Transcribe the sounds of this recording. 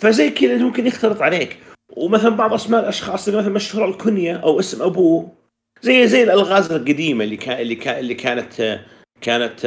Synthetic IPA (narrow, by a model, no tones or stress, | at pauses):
fazajːkeːd̪ʔɪnt̪mʊmkɪnjɪxt̪ɑlɨt̪ˤʕaleːk | wmaθalambɑʕðˤʔasmaːʔɪlʔaʃxɑːsˤʔɪmaθalmaʃhuːɾˤɑlkʊnjaʔawʔɪsmʔabuː | zajːzajːɪlʔalɣaːzɪlqad̪iːmalːikalːikalːikʰaːnat̪ | kaːnat̪